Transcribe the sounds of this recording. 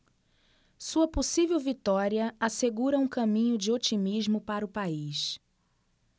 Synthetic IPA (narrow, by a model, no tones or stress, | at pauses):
suɐposivewvit̪ɔɾiɐaseɡuɾɐũkɐ̃mĩɲʊd͡ʒɪot͡ʃimizmʊpaɾɐʊpais